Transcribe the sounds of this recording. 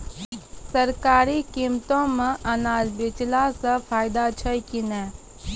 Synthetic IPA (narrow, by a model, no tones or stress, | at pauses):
sɐɾkaːɾikimt̪õmə̃ʔɐnaːzbɪt͡ʃlasəpʰaːjd̪at͡ʃʰəjkinɛ̃ː